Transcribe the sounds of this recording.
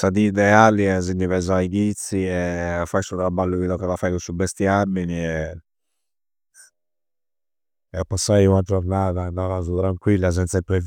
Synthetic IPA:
sad̪iːd̪ɛaːliɛziɲːivɛzaaiɡit̪sːiɛɔfasuðɾabalːuiðɔkɔðafajkusubːɛst̪jiaminiɛ | ɛɔpːasːajunad͡ʒɔɾnaːðanːalazut̪ɾaŋkwilːas̬ɛnt̪saipːɾɛv

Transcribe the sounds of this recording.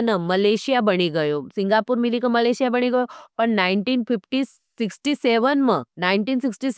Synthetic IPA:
nəməleɕijabəɽ̃iɡəjosiŋɡapuːɾmilikəməleɕijabəɽ̃iɡəjopəɳnaiɳʈiːnfifʈi | siksʈiseʋənmənaiɳʈiːnsiksʈiːs

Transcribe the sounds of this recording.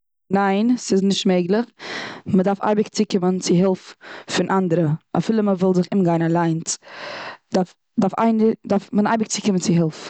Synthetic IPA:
naɪnsɪsnɪʃtmeɪɡlˠɪχmədafa̰ɪbɪkt͡sɪkɪmənt͡sɪɦɪlˠffɪnʔandəɾəʔa̰fɪlˠəməvɪlˠzɪχɪmɡaɪnalˠaɪnt | daf | dafa̰ɪndafmənaɪbɪk̚t͡sɪkɪmənt͡sɪɦɪlˠf

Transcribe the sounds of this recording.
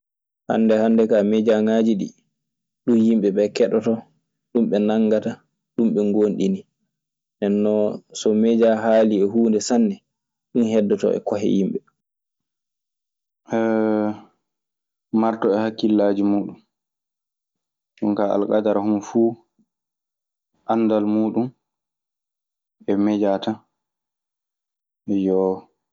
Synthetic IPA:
ha̰nːdɛhanːdɛkamɛd͡ʒaŋad͡ʒiɗḭ | ɗunjimɓɛɓɛkɛɗɔtɔ | ɗumɓɛnaŋɡata | ɗumɓɛŋɡonɗḭni | nɛnːɔsɔmɛd͡ʒaɦaːliɛɦuːndɛsanːɛ | ɗunhɛdːɔtɔ̰ʔɛ̰kɔɦɛ̰jimɓɛ | ʔɛ | maɾtɔɛhakːilːaːd͡ʒimuːɗum | ɗunkaʔa̰lkadaɾahumfu | ʔanːdalmuːɗum | ɛmɛd͡ʒata | jɔ

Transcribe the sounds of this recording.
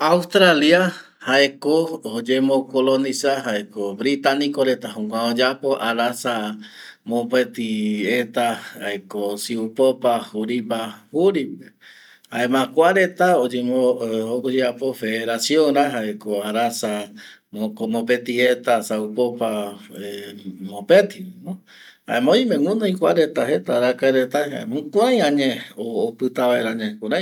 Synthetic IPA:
aust̪ɾalja | haekood͡ʒemokolonisaɦaekobɾit̪anikoɾet̪aɦũkʷãod͡ʒapoʔaɾasamõpet̪iet̪aaekosiupopahuɾipahuɾipe | haemãkʷaɾe̞t̪aod͡ʒemookod͡ʒeapofeeɾasioŋɾaɦaekoaɾasa | mokomopet̪iet̪asaupopaemopet̪ino | ha̰emãõĩmẽŋũnãĩkʷaɾet̪aɦet̪aɾakaeɾet̪aeɦa̰emũkʷuãj̃ãɲẽoːpɨt̪aβaeɾaɲekuɾa

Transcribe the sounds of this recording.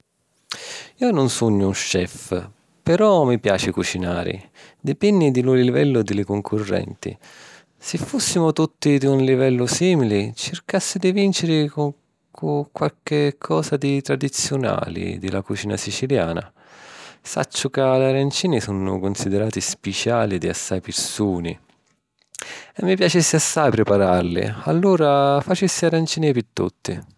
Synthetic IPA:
iːonʊnsuɲːʊunʃɛf | pɛɾɔmipjaːt͡ʃɪkut͡ʃinaːɾɪ̰ | d̪ɪpɛnːid̪ilʊliivɛlːʊd̪ɪlɪkʊŋkʰʊrːɛ̰nt̪ḭ | sɪfːusːimʊt̪ut̪ːid̪iunlivɛlːʊsiːmilɪt͡ʃɪrkasːid̪ivint͡ʃɪɾɪkʊ | kukwalkɪkʰːɔːsad̪it̪ɾad̪it̪sjʊna̰ːlɪ̰d̪ḭlakut͡ʃiːna̰sit͡ʃilja̰ːna̰ | sa̰t͡ʃːʊkalaɾant͡ʃiːnisunʊ̰kʊnsid̪ɛɾaːt̪ispɛt͡ʃaːlid̪iasːajpɪɾsuːnḭ | ɛmːipjat͡ʃɪsːɪasːajpɾɪpaɾarlɪ̰a̰lːuːɾafat͡ʃɪsːɪaɾant͡ʃiːnipit̪ːṵt̪ːi

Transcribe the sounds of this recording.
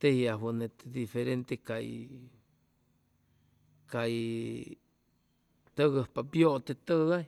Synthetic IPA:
t̪ehiawənet̪ed̪ifeɾent̪ekaj | kaj | t̪əɣəhpabjoʔt̪et̪əɣaj

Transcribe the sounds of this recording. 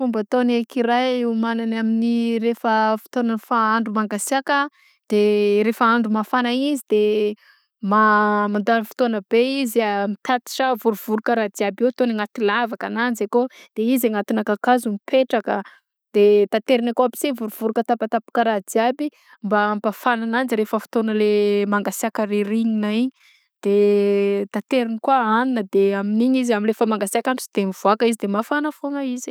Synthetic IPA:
fumbat̪onekiɾajumananaminiɾefəfi̥t̪onanfaaɳɖ͡ʐumaŋɡasiakə | d̪̥eɾefaaɳɖ͡ʐumafanaizid̪e | mamand̪anəfi̥t̪oanəbeiziamit̪at̪i̥ʃavuɾuv̥uɾukəɾad̪iabewt̪oniŋat̪ilavakananzekod̪̥eizaŋat̪inakakazumipʰeʈ͡ʂakə | d̪̥et̪at̪eɾinakoabi̥sevuɾuv̥uɾukət̪apat̪apḁkəɾad͡z̪iabi | mbampafananand͡ziɾefəfi̥t̪onəlemaŋɡasiakəreriɲinaiɲi | d̪̥e | t̪at̪eɾinikwaaninəd̪eaminiɲizaminlefəmaŋɡasiakant͡si̥d̪emiv̥uakəizid̪emafanəfoŋaizi

